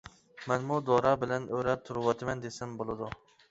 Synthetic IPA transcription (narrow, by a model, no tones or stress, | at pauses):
mɛnmʊd̪ɒɾɑbɪlɛnøɾɛt̪ʰʊɾɨwɑt̪ʰɪmɛnd̪esɪmbolˠɨd̪ʊ